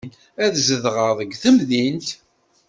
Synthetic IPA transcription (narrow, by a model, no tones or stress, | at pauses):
n | æðzəðʁəɾðˤəɡθəmðint̪